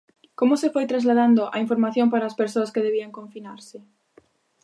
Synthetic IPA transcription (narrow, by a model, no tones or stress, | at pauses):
komʊsefojt̪ɾazlaðand̪ʊʔa̰iɱfoɾmaθjõmpaɾaːspeɾsoɐskeðeβiaŋkõɱfinaɾsɪ